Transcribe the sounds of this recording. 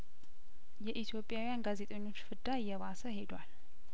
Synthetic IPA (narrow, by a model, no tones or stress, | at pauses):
jɛʔit̪ʰjo̞pʼːjawijanɡaze̞t̪ʼeɲːo̞t͡ʃːfɨd̪ajːɛβasəhe̞d̪wal